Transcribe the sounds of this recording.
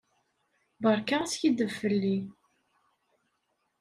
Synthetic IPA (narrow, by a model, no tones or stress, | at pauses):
bəɾˤkasçid̪əvfəlːi